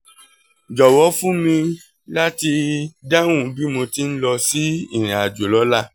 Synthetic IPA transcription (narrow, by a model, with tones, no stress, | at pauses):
d͡ʒɔ˨wɔ˨˦fũ˦mĩ˧ | la˦ti˧da˦wũ˦˨˦bi˦mo˧ti˦n̩˦lɔ˧si˦i˦˨ɾ̃ĩ˨a˨d͡ʒo˨lɔ˨˦la˦˨